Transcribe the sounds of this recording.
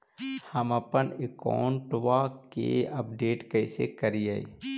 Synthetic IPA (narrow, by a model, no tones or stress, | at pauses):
həməpənɪka̰ːɳʈʋakḛɐpɖeːʈkəɪsekəɾiaḭ